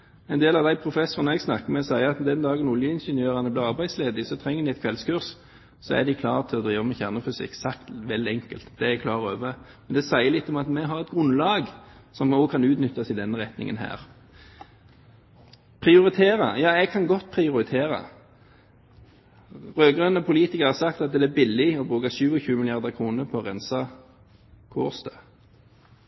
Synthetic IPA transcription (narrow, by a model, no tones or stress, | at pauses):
ɛɪnd̪eːlɑʋd̪æɪpʰʁʊfɛsʊʁənəɛɡsnɑkːəmɛsæɪəɑt̪d̪ɛnd̪ɑːɡənʊljəɪnʃənjøːʁɑnəbliːʁɑʁbæɪsleːd̪ɪsɔt̪ʰɾɛŋːəd̪ɪɛɪt̪kʰʋɛlskʉʁs | sɔæ̰d̪ɪkʰlɑːʁt̪ʰɪlɔd̪ɾiːʋəmɛçæʁnəfʏsɪ̰ksɑkt̪ʋɛld̪ɛŋkəlt̪d̪ɛɛkʰlɑːʁøːʋəmɛnd̪ɛsæɪəlɪt̪ːɔmɑt̪mɛɦɑʁɛt̪̚ɡʁʉnlɑːɡsɔmokʰɑnʉːt̪nʏt̪ːɑsɪd̪ɛnːəʁɛt̪nɪ̰ŋənɦæ̰ːʁ | pʰʁɪʊʁɪt̪ʰeːʁɑ̰jɑːɛɡkʰɑnɡɔt̪̚ːpʰʁɪʊʁɪt̪ʰeːʁɑ̰ | ʁøːɡʁœnːəɔpʰʊliːt̪ɪkəʁhɑsɑkt̪ɑt̪̚d̪ɛæbɪlːɪɔbʁʉːkɑʃʉːɔçʉːmɪlɪɑʁd̪əʁkʰʁuːnəpʰɔːʁɛnsɑ | kʰʊʁsd̪ø